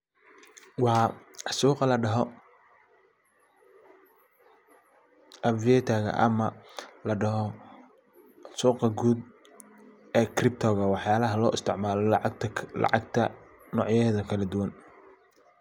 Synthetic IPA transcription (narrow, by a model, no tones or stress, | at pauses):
wɑːsuːqɑlɐɖɐɦɔ | ʔɐbviɛːt̪ʰaːɣɐ̰ʔɐ̰mɐlɐɖɐɦɔ | suːqɐɡuːd̪̚ | ɛːkrɪp̚t̪ʰɔːɣɐwɑħjaːlɐɦɐlɔːʔɪst̪ʰɪʕmaːlɔlɑ̰ʕɑɡt̪ʰɐ | nɔːʕjɛːðɐkʰɐlɐd̪ʊwɐn